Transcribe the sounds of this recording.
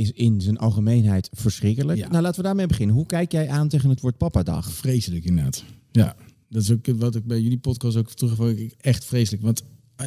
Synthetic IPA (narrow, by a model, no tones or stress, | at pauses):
ɪsɪnzənʔɑlˠχəmejnɦɛjtfəɹsχrɪkələknnawlaːtəʋədaːɹmejbəχɪnənɦukɛjkjɛjʔaːntejχənɦətʋoːɹt̚pɑpadɑ̰χfrejsələkɪndəda̰ːt | ja | dɔtɪsok̚ətʋɑtɪɡ̚bɛjylipɔtkɑstoktrəχfoɪkɛχtfrejsələkʋɑnt